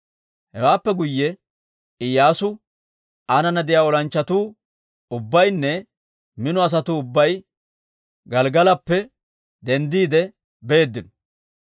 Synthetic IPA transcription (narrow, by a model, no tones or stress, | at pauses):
hɛwaːpːɛɡʊjːɛ | ɪjːaːsʊ | ʔɐnɐnɐd̪ɪjaːɔlɐnt͡ʃːɐt̪uː | ʊbːɐjnːɛ | mɪnɔɐs̬ɐt̪uʊbːɐj | ɡɐlɡɐlɐpːɛ | d̪ɛnd̪iːd̪ɛ | be̞ːd̪ːɪnɔ